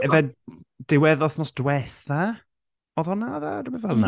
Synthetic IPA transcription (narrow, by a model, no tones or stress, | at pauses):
ɛvɛd̥ɪwɛðɔθnɔsdwɛθa | ɔðɔnaða̰dɪmɛvɛlˠna